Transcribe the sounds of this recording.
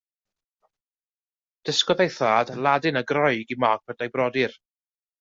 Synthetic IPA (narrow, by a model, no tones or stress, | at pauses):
d̥əskɔðejθaːdlˠadɨnəɡrɔɨɡimaːɡ̥̚v̥əd̥ajbrɔdɪr